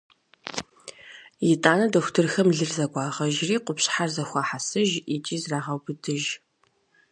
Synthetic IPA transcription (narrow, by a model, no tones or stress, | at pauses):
jɪtʼaːnɐdoːxʷtʰɨrxɐmɮɨrzɐɡʷɑːʁɐʒriːqʷʊpɕħarzɐxʷɑːħasɨʒit͡ʃʼiːzraːʁɐwbɨdʰɨʒ